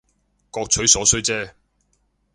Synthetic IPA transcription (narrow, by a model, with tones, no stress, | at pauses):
kɔː˧k̚t͡ʃʰɵ˨˥ɥsɔː˨˥sɵ˥ɥt͡sɛː˥